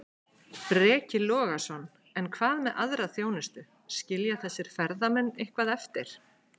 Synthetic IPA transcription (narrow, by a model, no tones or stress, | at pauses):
pɾɛːcɪlɔːɣasɔnː | ɛnkʰvaːðmɛðʔaðɾaθjoːwnɪst̪ʏ | scɪljaθɛsːɪɾ̥fɛɾðamɛnːehkvaðɛft̪ɪɾ̥